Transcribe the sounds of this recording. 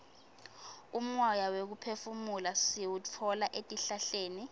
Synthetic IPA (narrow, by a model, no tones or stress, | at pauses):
um̩wɔjawek̬upʰefumulasiwutʰɔlaʔetʼiɬaɬeːni